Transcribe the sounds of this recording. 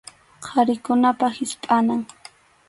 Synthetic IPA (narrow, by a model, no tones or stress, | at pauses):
qʰɑɾɪkʊnapahɪspʼanaŋ